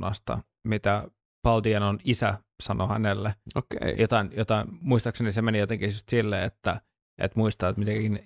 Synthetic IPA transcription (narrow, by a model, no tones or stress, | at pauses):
nɑ̰st̪ɑ̰ | mit̪æ | pɑld̪iɑnonisæ | sɑnohænelːeokḛijot̪ɑinjot̪ɑinmuist̪ɑksenisemenijot̪eŋkijust̪silːeet̪ːæ | ʔḛt̪muist̪ɑːet̪mit̪ein